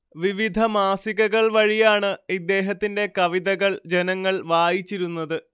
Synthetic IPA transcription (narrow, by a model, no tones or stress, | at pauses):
ʋiʋid̪ʱɐmaːsiɣɐɣɐɭʋɐɻijaːɳɨid̪ːe̞ːɦɐt̪ːinde̞kɐʋiðɐɣɐɭd͡ʑe̞nɐŋːɐɭʋaːjit͡ɕːiɾunːɐðɨ